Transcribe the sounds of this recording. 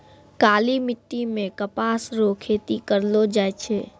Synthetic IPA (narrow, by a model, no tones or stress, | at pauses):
kaːlimɪʈːimẽkəpaːsɾokʰeːt̪ikəɾlod͡ʒaːjt͡ʃʰɛː